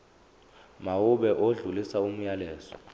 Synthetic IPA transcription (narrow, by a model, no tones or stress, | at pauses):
mawuɓɛʔoɮulisaum̩jalɛːzɔ̥